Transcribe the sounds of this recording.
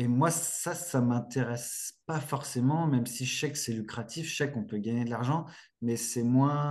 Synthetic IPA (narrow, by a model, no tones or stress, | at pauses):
emwaːasamɛ̃t̪eʁɛspafɔʁsemɑ̃mɛmsiʒəsɛkə̥sɛlykχat̪ʰifsɛkɔ̃pøɡaɲed̪laʁʒɑ̃ | mɛsɛmwɛ̃